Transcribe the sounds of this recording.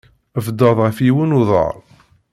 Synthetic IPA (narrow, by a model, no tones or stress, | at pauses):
əfd̪ɑðˤʁəfiwənʊðˤɑ̰ɾˤ